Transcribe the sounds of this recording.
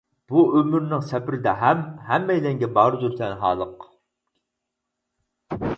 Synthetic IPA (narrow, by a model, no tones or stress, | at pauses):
b̥uømyɾnɪŋsɛpɪɾɪd̪ɛɦɛmɦɛmːɛjd̪ɛŋɡʲɛbɑːɾɨzyɾt̪ʰɛnɦɑ̰ːlˠəq